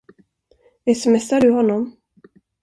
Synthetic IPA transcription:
ɛsɛmɛsaɖɵɦɔnːɔm

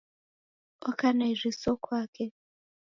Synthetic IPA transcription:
akanaiʐisokʰwaːkʰe

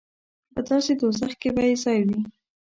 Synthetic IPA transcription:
pəd̪ɑsed̪osaxkebɑjezɑjwi

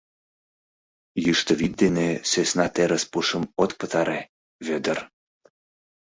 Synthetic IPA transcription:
jyʃt̪əβit̪̚d̪enesesnɑt̪eɾəspuʃəmot̪pət̪ɑɾe | βød̪ər

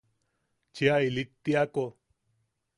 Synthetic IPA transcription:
t͡ʃeailit̪ːiako

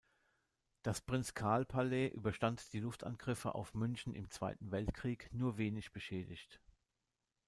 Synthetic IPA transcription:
d̥aspʁ̥ɪnt͡skʰaɐlpʰalɛʔyːbɐʃtantd̥iːlʊftʔa̰nɡ̥ʁɪfəʔa̰ʊfmʏnçn̩ɪ̰mt͡sv̥a̰ɪtn̩vɛltkʁ̥iːknuːɐveːnɪçb̥əʃɛːdɪçt

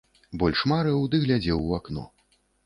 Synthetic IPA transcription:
bɔlʲʂmaɾɛwd̪ɨɣlʲad͡zʲɛwaknɔ̰

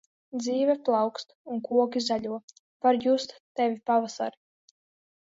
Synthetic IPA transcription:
d̪ziːvɛplˠɑwkst̪uŋkuɔɡʲizalʲuɔ | paɾjust̪t̪ɛvʲipavasa̰ɾ

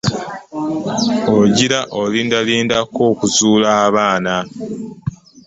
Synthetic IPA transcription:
oɟiɾaʔolindaliːndako̞ːkuzuːlaβaːna

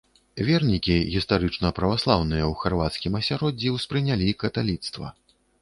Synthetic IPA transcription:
vʲɛrnʲikʲiɣʲist̪aɾɨt͡ʂnɐpɾɐvaslˠawnɨjɐwxarvat̪skʲimɐsʲaɾɔd͡zʲːiwspɾɨnʲalʲikɐt̪alʲit̪st̪vɐ̰

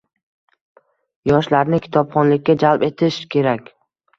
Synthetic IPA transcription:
jɒʃlaɾnɪkʲʰɪ̥t̪ʰɒbχɒnlɪkʲːad͡ʒalpe̞t̪ʰɪʃkʲʰe̞ɾakʲ

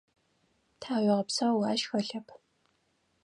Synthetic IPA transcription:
tʰaːwʷɪʁɐpsawaːʃxɐɬɐpʰ

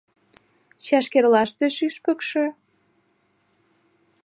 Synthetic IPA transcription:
t͡ɕɑʃkerlɑʃt̪eʃyʃpə̆kʃĕ

